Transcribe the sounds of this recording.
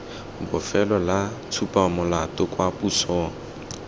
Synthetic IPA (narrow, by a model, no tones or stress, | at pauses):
bʊfɛlɔlat͡sʰupʼamʊlatʼʊkʼwapusɔːŋ̩